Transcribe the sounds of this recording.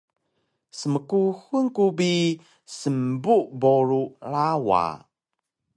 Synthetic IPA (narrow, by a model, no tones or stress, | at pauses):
səməkuhunkubi | səmbuʔboɾulawa̰